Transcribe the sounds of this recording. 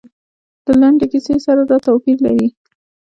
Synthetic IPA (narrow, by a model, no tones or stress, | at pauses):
d̪̥əlaɳɖekisesaɾad̪ɑt̪awpiɾla̰ɾi